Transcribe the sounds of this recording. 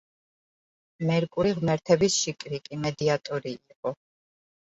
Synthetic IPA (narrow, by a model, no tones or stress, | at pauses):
mɛɾkʼuɾiʁmɛɾt̪ʰɛbisʃikʼɾikʼimɛd̪iat̪ʼɔɾiːqʼɔ